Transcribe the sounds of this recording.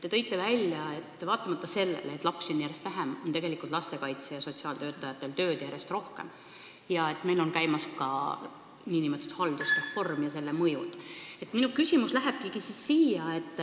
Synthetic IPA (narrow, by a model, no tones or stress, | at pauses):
t̪ːe̞t̪ɤ̞jt̪ːˑe̞vælʲjɑe̞t̪ːvɑːt̪ːˑɑmɑt̪ːˑɑse̞lːḛleeːt̪ːˑlɑpsonjæɾjest̪væɦemo̞nt̪eɡe̞likˑult̪lɑst̪e̞kɑjt̪sejɑso̞t̪siɑːlt̪ø̞ːt̪ːˑɑjɑt̪ːˑe̞lt̪ø̞ːd̪̥jæɾe̞st̪ro̞hke̞̰m | jɑe̞t̪melo̞nkæjmɑskɑ | niːnimet̪ːˑud̪̥hɑld̪̥usrefo̞rmjɑse̞lːe̞mɤjud̪e̞t̪minukysʲimuslæɦeb̥kikisisːiːjɑe̞t̪ːˑ